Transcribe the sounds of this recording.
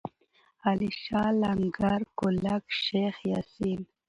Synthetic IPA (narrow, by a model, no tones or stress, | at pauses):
aliʃɑːlaŋɡaɾkʊlakʃexjasin